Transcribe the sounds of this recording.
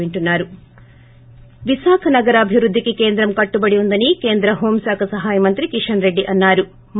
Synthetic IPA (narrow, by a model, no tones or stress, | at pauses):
eɳʈunːaːɾu | ʋisaːkʰɐnɐɡɐɾɐːbʱiʋɾud̪ʱːikekeːnd̪ɾɐmkɐʈːubɐɽijund̪ɐnikeːnd̪ɾɐɦoːmsaːkʰɐsɐɦaːjɐmɐnt̪ɾikiʂɐnɾe̞ɖːiʔɐnːaːɾu | m